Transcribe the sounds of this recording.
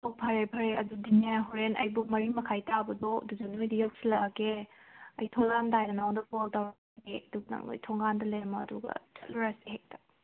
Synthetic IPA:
tow̚pʰɐɾepʰɐɾeɐdudinjaɦoɾenɐ̰jbumɐɾimɐkʰajtʰabɐdɔ̰duzɐnojdijawk̚silaɡeɐ̰jtʰɔŋɡandajnɐnaondɐboltawɾɐk | ɡeɐduɡnɐ̰ŋo̰jtʰɔŋɡandɐlejɐmɐ̰ːduɡɐ̰t͡ʃɐt̚luɾasiɦek̚tḁ

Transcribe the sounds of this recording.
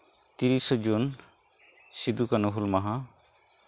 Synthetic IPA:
t̪iɾisɔd͡ʒun | sid̪ukanuɦulmaɦã

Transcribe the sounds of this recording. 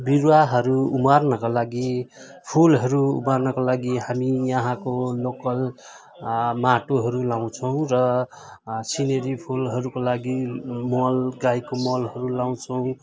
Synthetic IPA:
biɾwaɦʌɾuːmarnʌkalaɡi | pʰulɦʌɾṵːmarnʌkolaɡihamijʌɦãkolokʌl | maʈoɦʌɾulaw̃t͡sʰʌw̃rʌ | sineɾipʰulɦʌɾukolaɡimʌlɡajkomʌlɦʌɾulaw̃t͡sʰʌw̃

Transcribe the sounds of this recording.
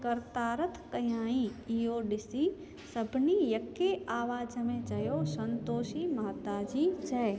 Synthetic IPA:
kɐɾt̪aːɾət̪ʰkɐjãːĩijoɗɪsi | sɐbʱnijɐkːeaːʋaːd͡ʒmẽt͡ʃɐjosɐ̃nt̪oːʃimaːt̪aːd͡ʒiːt͡ʃʰɛː

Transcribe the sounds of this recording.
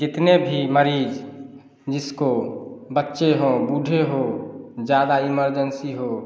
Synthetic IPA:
d͡ʒɪt̪nebʱiməɾiːd͡ʒ | d͡ʒɪskobətːʃeɦobuɖʱeɦod͡ʒjaːd̪aiməɾd͡ʒənsiɦo

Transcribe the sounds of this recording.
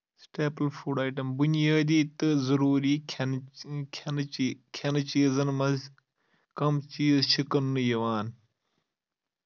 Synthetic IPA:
sʈeːplfuːɖaːʈɐmbunijaːd̪iːt̪ɨzɐɾuːɾiː | kʰɐnt͡ʃiːzɐnmɐz | kɐmt͡ʃiːzʃʰikɐnːɨjɐʋaːn

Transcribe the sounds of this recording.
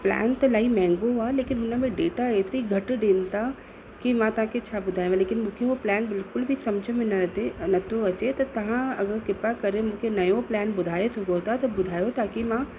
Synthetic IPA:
plɛ̰ːnt̪ɐlaːimɛ̃ːŋɡoaːleːkɪnɦʊnəmẽɖeːʈaeːt̪ɪɾiɡʱɐʈɖeːnt̪a | kimãt̪ɐʋ̤ɦãkʰet͡ɕʰaːbʊd̪ʱaːj̃ẽleːkɪnmũːkʰeɦoplɛːnbɪlkʊlbʱisɐmd͡ʑʱəmẽnnɐt̪ʰoɐt͡ɕet̪ɐt̪ɐʋ̤ãɐɡəɾkɪpakɐɾemũkʰenɐjõplɛːnbʊd̪ʱaːjesʊɡot̪at̪ɐbʊd̪ʱaːjot̪aːkimãː

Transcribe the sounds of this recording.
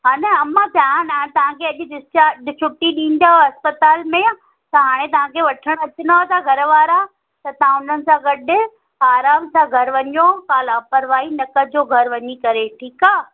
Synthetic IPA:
ɦaːneɐmãp̪jaãnãt̪ɐʋ̤ãkʰeɐʄɪɪat͡ɕʰʊʈːiɗĩːn̆d̪aːɦoɐspət̪aːlmẽ | t̪ɐɦaːɽ̃ẽt̪̬ɐʋ̤ãkʰeʋɐʈʰəɽ̃ɐt͡ɕɪnaot̪ʰaɡʱɐɾʋaːɾa | t̪ɐt̪ɐɦãʊn̤ənɪ̆sãɡɐɗɪ̆ | aːɾaːmsãɡʱɐɾʋɐɲjokaːlaːpəɾʋaːinɐkəd͡ʑoːɡʱɐɾʋɐɲikɐɾeʈʰiːkaː

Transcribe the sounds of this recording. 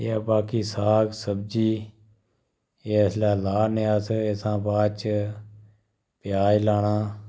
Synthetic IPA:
eaːbaːkiːsaːksəbd͡ʒiː | eːslɛːlaːneːaseːsãːbãːt͡ʃ | pɪjaːilaːnaː

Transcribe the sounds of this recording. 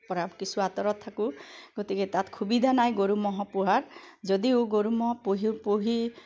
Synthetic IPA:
pɔɾabkisʰuat̪ɔɾɔt̪ʰːakuɡ̥ɔt̪iket̪at̪kʰubid̪ʱanajɡoɾumɔɦɔpuɦaɾd͡ʒɔd̪ioɡoɾumɔɦɔpoɦipoɦi

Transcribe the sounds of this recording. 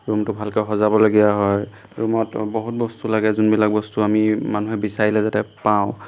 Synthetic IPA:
ɹumtʊbʱalkɛɦɔzabɔloɡijaɦɔj | ɹumɔtbɔɦut̚bɔstulaɡɛzunbilak̚bɔstuamimanuɦɛbisaɹilɛzatɛpaʊ̃

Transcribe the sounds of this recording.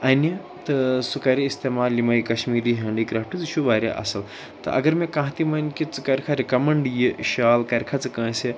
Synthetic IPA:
ɐnjɐ | t̪ɨsukaɾiːst̪emaːlːimɐikɐʃmiːɾiɦɐ̃ɳɖiːkɾaːfʈɨt͡sɨʃuʋaːɾʲja̰ʔɐ̰sɐl | t̪ɨ̰ʔɐ̰ɡɐɾmekãɦt̪imɐnkit͡sɨkɐɾkʰaɾikɐmɐɳɖjiʃalkɐɾkʰat͡sɨkãːse

